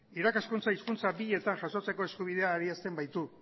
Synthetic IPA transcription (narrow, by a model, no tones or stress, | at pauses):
iɾakaskunt͡saiskunt͡sabiʎe̞t̪aŋʝasʃo̞t͡se̞ko̞eskuβ̞ið̞e̞aːɾiast̪e̞mbajt̪u